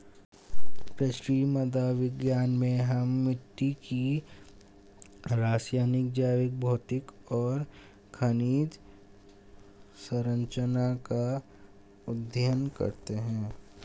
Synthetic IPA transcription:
pɾɪʃɾiːməd̪aʋɪɡjaːnmẽɦɐmːɪʈːiki | ɾaːsjaːnɪk̚d͡ʒaːʋɪk̚bʱoːt̪ɪkɔːɾ | kʰəniːd̪ | səɾə̃ɲt͡ʃənaka | ʊd̪ʱjənkɐ̰ɾt̪eɦɛ̃ː

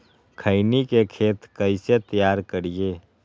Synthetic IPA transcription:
kʰəɪnikekʰeːt̪kəɪset̪əjaːɾkəɾijeː

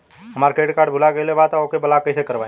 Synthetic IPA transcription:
ɦəmaːɾkeːʈkaːɖbʱʊlaɡəjlebaːd̪̚t̪aokebəlakəɪsekəɾʋa

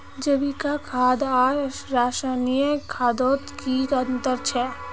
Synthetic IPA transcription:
d͡ʒəbikakʰaːd̪aːɾaːʃaːnijəkʰaːd̪oːt̪kiɐ̃nt̪əɾt͡ʃʰɛː

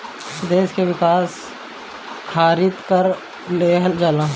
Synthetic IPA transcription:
d̪eːskeʋɪkaːs | kʰaːɾɪt̪kəɾ | leːɦld͡ʒalãː

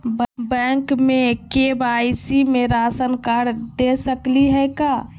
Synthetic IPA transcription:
bɛ̃ŋkmekebaɪsimeɾasənkaɾd̪esəkliɦɛjka

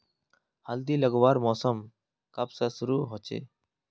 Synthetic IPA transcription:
həld̪iːləɡwaːɾmɔːsəm | kəpsəsʊɾuːɦot͡ʃḛː

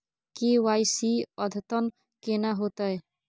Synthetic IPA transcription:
kiwajsiɔd̪ʱt̪ɔn | kenaɦot̪ɔj

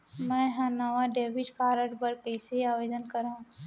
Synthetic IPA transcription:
mɛ̃ːɦãnəʋaɖeːʋɪʈkaːɾəʈbəɾkɛɪseiaːʋeːd̪ənkəɾãː

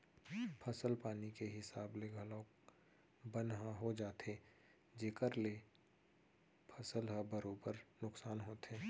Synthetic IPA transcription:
pʰəsəlpaːnikeɦɪsaːbleɡʱɐlɔ̃ːk | bənɦãɦod͡ʒaːt̪e | d͡ʒeːkəɾle | pʰəsəlɦəbəɾoːbəɾnʊksaːnɦoːt̪eː

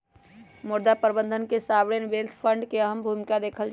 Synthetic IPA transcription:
muɾd̪apəɾbənd̪ʱənkesabɽenbelt̪ʰpʰəɳɖkeəɦəmbʱumikad̪ekʰəld͡ʒ

